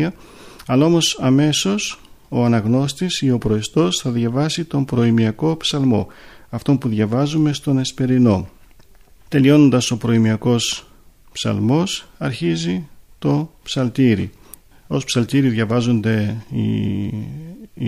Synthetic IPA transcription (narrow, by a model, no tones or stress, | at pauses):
ɐ | ɐlɐo̞mo̞sɐme̞so̞so̞ɐnɐɣno̞st̪isio̞pɾoist̪o̞sθɐðʝɐvɐsit̪o̞mpɾo̞imiɐko̞psɐlmo̞̰ɐft̪o̞mpuðʝɐvɐzume̞st̪o̞ne̞spe̞ɾino̞ | t̪e̞lio̞no̞nd̪ɐso̞pɾo̞imiɐko̞s | psɐ̰lmo̞sɐɾçizit̪o̞psɐlt̪iɾḭ | o̞spsɐlt̪iɾiðʝɐvɐzo̞nd̪e̞ḭ